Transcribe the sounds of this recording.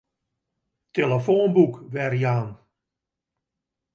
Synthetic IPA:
teləfoːnbukʋɛrjaːn

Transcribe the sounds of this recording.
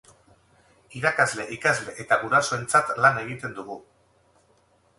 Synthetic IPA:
iɾakazle̞ʔikazle̞ʔet̪aɣuɾasoe̞nt͡sat̪lane̞ɣ̞it̪e̞nd̪uɣ̞u

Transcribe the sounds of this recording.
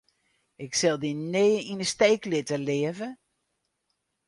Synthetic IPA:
ɪksɛlˠdineːəinəsteːklɪtəlɪːəvə

